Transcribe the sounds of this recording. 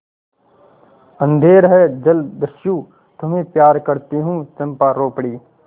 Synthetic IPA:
ɐ̃nd̪ʱeːɾɦɛd͡ʒɐld̪ɐʃjuː | t̪ʊmẽpjaːɾkɐɾt̪iɦũːt͡ʃɐmpaɾoːpɽiː

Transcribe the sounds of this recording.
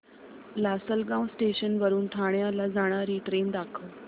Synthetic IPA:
lasəlɡãwsʈeɕənʋəɾuːnʈʰaɽjãlad͡zaɽ̃aɾiːʈɾeːnd̪aːkʰəl

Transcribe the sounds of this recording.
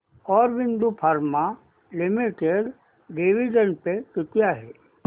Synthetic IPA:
ɔːɾʋɪ̃nd̪upʰəɾma | lɪmiʈeɖ | ɖeʋiɖənpekɪt̪ijaɦɛː

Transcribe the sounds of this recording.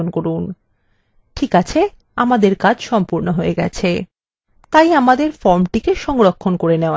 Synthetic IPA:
onkoɾun | ʈʰikat͡ɕʰe | amad̪eɾkad͡ʑʃɔmpuɾnoɦoeɡɛ̰t͡ɕʰe | t̪ajamad̪eɾfɔɾmʈikeʃɔŋɾokʰːonkoɾeneoa

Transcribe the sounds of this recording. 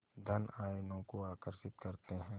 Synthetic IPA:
d̪ʱɐnaːjnõkoaːkəɾʃɪt̪kɐɾt̪eɦɛ̃ː

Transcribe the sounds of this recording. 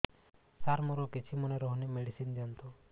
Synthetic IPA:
saɾmɔɾɔkit͡ʃʰimɔneɾɔɦunimeɽisind̪iɔnt̪u

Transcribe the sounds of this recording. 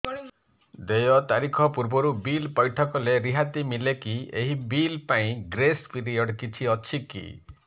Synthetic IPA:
d̪ejɔt̪aɾikʰɔpuɾbɔɾubilpɔjʈʰɔkɔleɾiɦat̪imilekieɦibilpaĩɡɾespiɾijɔɽkit͡ʃʰiɔt͡ʃʰikḭ

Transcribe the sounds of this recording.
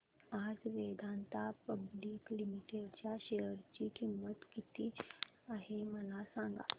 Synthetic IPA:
ad͡zʋed̪ʱant̪apəbliːklimiʈeɽt͡ɕjaɕejəɾt͡ɕiːkʰimːət̪kit̪iː | aɦeməlasãŋɡa̰

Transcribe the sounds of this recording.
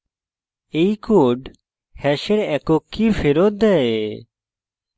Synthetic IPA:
ejkoɖ | hɛʃeɾɛkokːifʰeɾot̪̚d̪ɛe

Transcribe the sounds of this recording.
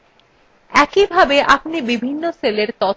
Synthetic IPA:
ɛkibʱabeʔapnibibʱinːoseleɾt̪ɔ

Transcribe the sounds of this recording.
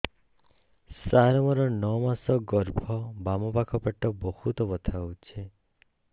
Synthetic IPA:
saɾɔmɔɾɔnɔmasɔɡɔɾbʱɔbamɔpakʰɔpeʈːɔbɔhut̪ɔbɔt̪ʰawt͡ʃʰe

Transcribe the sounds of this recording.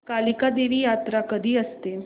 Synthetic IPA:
kalikad̪eʋiːjat̪ɾakəd̪ʱiːəst̪e

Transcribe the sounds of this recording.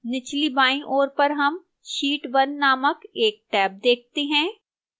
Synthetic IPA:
nɪt͡ʃlibaːĩʔoːɾpɐɾɦɐm | ʃiːʈʋɐnːaːməkeːk̚ʈɛːp̚d̪eːk̚ʰt̪eɦɛ̃ː

